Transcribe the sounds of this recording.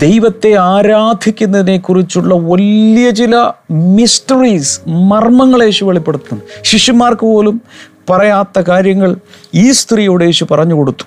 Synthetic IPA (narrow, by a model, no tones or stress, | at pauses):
d̪̥e̞jʋɐt̪ːe̞aːɾaːd̪ʱikʲːunːɐðine̞kːurit͡ɕːuɭːɐʋɐlijɐt͡ɕilɐmistɐriːsmɐrmɐŋːɐɭe̞ːɕuʋeɭipːe̞ɽut̪ːumɕiʂimaːrkɨpo̞ːlumpɐrɐjaːt̪ːɐkaːɾjɐŋːɐɭiːst̪rijoːɽe̞ːɕupɐrɐɲːuko̞ɽut̪ːu̥m